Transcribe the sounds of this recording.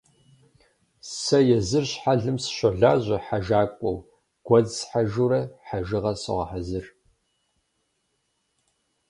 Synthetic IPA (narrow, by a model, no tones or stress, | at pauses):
sɐjɛzɨrɕħaɮɨmsɕʷɐɮaːʑʷɐħaʒaːkʷʼɔw | ɡ̥ʷɐzsħaʒuɾɐħaʒɨʁɐsɨ̰ʁɐ̰ħazɨr